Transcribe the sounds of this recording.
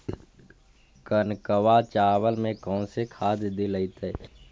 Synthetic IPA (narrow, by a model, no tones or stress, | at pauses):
kənkəwat͡ʃaːwəlmẽkɔ̃ːnsekʰaːd̪d̪eləit̪e